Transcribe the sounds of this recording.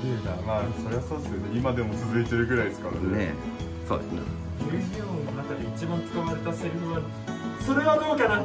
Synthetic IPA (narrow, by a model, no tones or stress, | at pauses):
ɯnamaːeso̞ɾe̞βaso̞ːd̪e̞sɨjo̞neimad̪e̞mo̞t͡sɨzɨket̪e̞ɾɯ̟ɡɯ̟ɾaiesɨ̥kaɾa̰nee | soːd̪esnḛ | eçʲiononakad̪eit͡ɕibãnt͡sɨ̥kaβaɾe̞t̪aseɾɯ̟ɸɯan | so̞ɾe̞ɡanoːkanã